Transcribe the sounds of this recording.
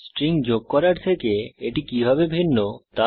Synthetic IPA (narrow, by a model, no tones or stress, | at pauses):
sʈɾiŋd͡ʑoɡ̚kɔɾaɾt̪ʰekeeʈikibʱabebʱinːot̪a